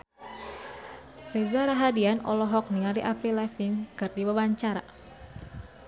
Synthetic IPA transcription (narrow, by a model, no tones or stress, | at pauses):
rezaɾaɦadianɔ̰lɔɦɔk̚niŋaldiʔapilɛfinkɨrdiwawaɲt͡ʃaɾa